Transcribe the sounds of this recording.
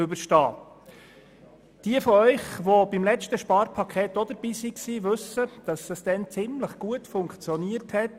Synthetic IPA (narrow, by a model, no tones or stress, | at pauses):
ʏbəʃtɑ̰ː | d̥iəfɔœʏχʋob̥imlɛt͡ʃtəʃpɑːɾpʰɑkʰχeːtod̥̪əɾb̥iːsiksiːʋɵsəd̪̥ɑsəsd̥̪ɛnt͡sɪmləχɡ̥uətfʊŋkt͡sjɔniəɾthɛt